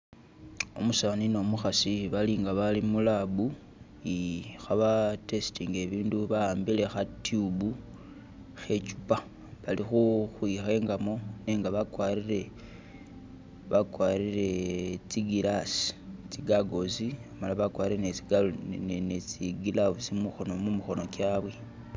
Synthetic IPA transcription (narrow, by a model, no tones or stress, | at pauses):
omusaβanino̞muxasiβaliːŋɡaβalimulabu | ixaβate̞stiŋɡe̞βiːnduβaaːmbile̞xatʰiubu | xe̞t͡ʃu̥pa | βalixuxwixe̞ːŋɡamo̞ne̞ːŋɡaβakwaɾiɾe̞ | βakwaɾiɾe̞t͡siɡilasi̥t͡siɡaɡo̞simalaβakwaːɾiɾenet͡siɡnet͡siɡilaβusimuxo̞no̞mumuxo̞no̞kaβwe